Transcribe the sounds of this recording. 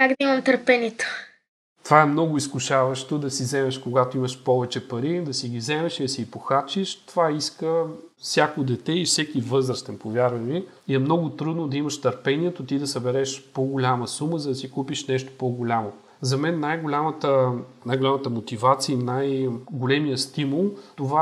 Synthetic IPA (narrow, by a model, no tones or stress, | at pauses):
kaɡd̪ɐimɐmt̪əɾpɛniɛt̪o̥ | t̪ovaɛmnɔɡʊiskʊʃavɐʃt̪od̪ɐsizɛmɛʃkoɡat̪oiməʃpɔvɛt͡ʃɛpɐɾid̪ɐsiɡʲivzɛmɛʃid̪ɐsiɡipoxat͡ʃiʃt̪ovaiskəfsʲjakod̪ɛt̪ɛifsɛkivɤzɾəst̪ɛnpovjaɾvɐni | iɛmnɔɡʊt̪ɾud̪nod̪ɐiməʃt̪əɾpɛniɛt̪ot̪id̪ɐsɐbɛɾɛʃpoɡʊlʲaməsuməzɐd̪ɐsikupiʃnɛʃt̪o̥poɡolʲamo | zɐmɛnːajɡʊlʲamət̪ənajɡolʲamət̪əmot̪ivat̪siəinajɡolʲɛmijəst̪imulˠt̪ova